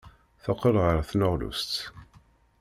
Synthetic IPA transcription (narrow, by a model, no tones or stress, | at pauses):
θəqːəlʁəɾˤθnəʁlṵst̪